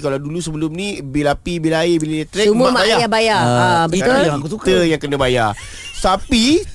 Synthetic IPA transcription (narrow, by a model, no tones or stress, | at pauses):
kalawdulusəbəlʊmnĩbilapibilajebilaat̪ɾɛsumũəamaajajabajaabəkaolaiusukt̪əjaŋkənãbaja | sapi